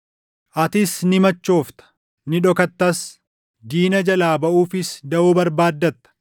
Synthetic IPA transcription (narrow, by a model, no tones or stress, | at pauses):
ʔɐt̪ɪsnɪmɐt͡ʃːo̞ːft̪ɐ̥ | nɪᶑɔkɐt̪ːɐs | d͡ʒ̪iːnɐd͡ʒɐlaːbɐʔuːfɪsd̪ɐʔuːbɐɾbaːd̪ːɐt̪ːɐ̥